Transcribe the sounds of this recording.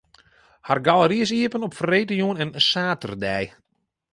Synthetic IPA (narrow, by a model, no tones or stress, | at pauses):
harɡalˠəɾiəs̬iəpənɔpfreːtəjuənɛnsaːtərdɛj